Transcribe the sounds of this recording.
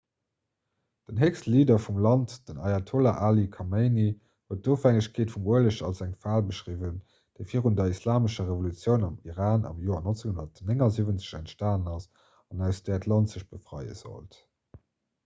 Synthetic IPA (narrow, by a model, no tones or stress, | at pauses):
d̥ənɦekstliːdɐfumlɑntd̥ənɑjatʰolaʔaːlikʰɑmeɪni | huət̚doːfæŋəɕkʰeːtfumuələɕɑlsæŋfaːlbəʃʁiːvən | d̥eɪfiːʁundɐislaːməʃɐʁevolut͡sjəʊnɑmiʁaːnɑ̰mjoːɐnont͡seŋhundɐtneŋɑzivənt͡sə̥ɕæ̰ntʃtaːnənɑs | ɑnæʊsd̥ætʰlɑntzəɕb̥əfʁɑ̰ɪə̰z̥o̰lt